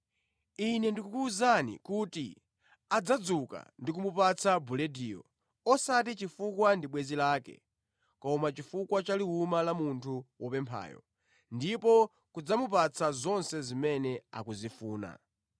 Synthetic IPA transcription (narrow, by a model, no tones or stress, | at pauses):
inɛndikukuːzanḭkutḭ | ad͡zad͡zuka̰ndik̬umupat͡sʰabulɛdiːjɔ̰ | ɔsat̬it͡ʃifukwandiɓwɛzilaːkɛ̰ | kɔmat͡ʃifukwat͡ʃaliumalamuntʰuwɔpɛmpʰa̰ːjɔ̰ | ndipɔ | kud͡zamupat͡sʰazɔnsɛzimɛnɛa̰kuzifuːna̰